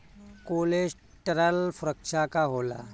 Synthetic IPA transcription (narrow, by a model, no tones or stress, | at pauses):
koled͡ʑ | ʈəɾalfɾəkʂakaɦola̰